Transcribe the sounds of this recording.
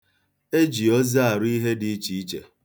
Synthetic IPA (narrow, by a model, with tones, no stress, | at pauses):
e˦d͡ʒi˨ɔ˦zi˦a˨ɾi˦ɦe˦di˨i˦t͡ʃi˨i˦t͡ʃḛ˨